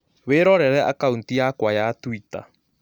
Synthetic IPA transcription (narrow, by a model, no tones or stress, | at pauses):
βeːɾɔɾɛɾɛʔakauntijakwajatwita̰